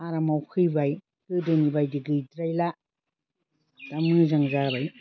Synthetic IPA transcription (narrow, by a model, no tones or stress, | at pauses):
aɾamawkʰɯjbaj | kɯdɯnibajdiɡɯjdɾajla | d̥amɯzaŋzabaj